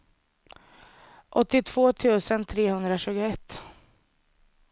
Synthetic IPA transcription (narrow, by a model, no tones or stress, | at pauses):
ʔɔt̪ːɪt̪ʰv̥oːt̪ʰʉ̟ːsənt̪ʰɾeːhɵnd̪ɾaɕʉ̟ːɡʊɛt̪ː